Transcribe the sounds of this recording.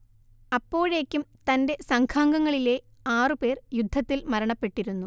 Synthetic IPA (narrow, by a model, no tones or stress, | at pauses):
ɐpːo̞ːɻe̞ːkʲːumt̪ɐnde̞sɐŋkʰaːŋɡɐŋːɐɭile̞ | aːrɨpe̞ːrjud̪ʱːɐt̪ːilmɐɾɐɳɐpːe̞ʈːiɾunːu